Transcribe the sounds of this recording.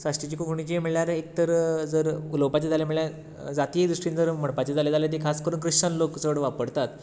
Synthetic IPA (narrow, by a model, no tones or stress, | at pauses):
saʂʈit͡ɕikukuɳ̃it͡ɕiməɭljaɾek̚t̪əɾd͡zəɾuləʋpat͡ɕed͡zʱaljem̤iɭjaɾ | d͡zat̪iːd̪ɾuʂʈiːnd͡zəɾm̤əɽpat͡ɕed͡zʱaled͡zʱaljat̪̬ikʰaskəɾuːnkɾiʂʈanloksəʋɽʋapəɽt̪at̪